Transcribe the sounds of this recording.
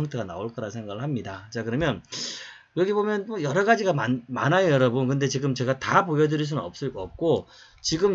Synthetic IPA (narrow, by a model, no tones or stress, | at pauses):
ʌŋtʰe̞ɡana̰oɭk͈ʌɾasʰe̞ŋɡaɡɯɭhamɲidat͡ɕakɯɾʌmjʌn | jʌɡibomjʌnʌjʌɾʌɡad͡ʑiɡamanma̰najjʌɾʌbɯnkɯnde̞t͡ɕiɡɯmt͡ɕe̞ɡatapojʌdɯɾiɭs̬unɯnʌp̚s͈ɯɭkʌp̚k͈o | t͡ɕiɡɯm